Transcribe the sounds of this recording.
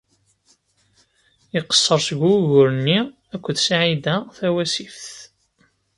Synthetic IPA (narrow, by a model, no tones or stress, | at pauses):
iqə̥sːəɾˤsəɡʷuʝʊɾənːi | ækʷːəðsʕid̪æθæwæsifθ